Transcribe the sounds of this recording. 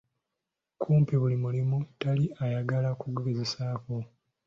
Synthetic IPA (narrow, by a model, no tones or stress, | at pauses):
kʰuːmpiβulimulimutaliajaɡalakuɡeɡeze̞saːko̞